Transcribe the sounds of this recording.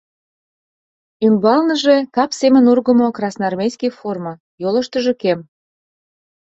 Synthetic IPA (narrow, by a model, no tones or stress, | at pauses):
ymbɑlnə̆ʒekɑpsemənurɣəmokrɑsnɑrmʲejskʲijformɑ | jolə̆ʃt̪əʒə̆kem